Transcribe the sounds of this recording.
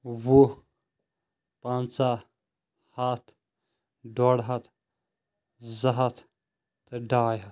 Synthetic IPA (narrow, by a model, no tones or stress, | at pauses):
wo | pãːnt͡sa | hat̪ʰ | ɖoɽɦɐt̪ʰ | zɐɦɐt̪ʰ | t̪ɖaːjɦɐt̪